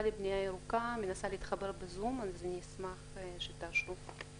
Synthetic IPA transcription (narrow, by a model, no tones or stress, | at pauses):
alibnijajeɾukamenasaleit̪χabe̞ɾbezumanzenismaχʃet̪aʃu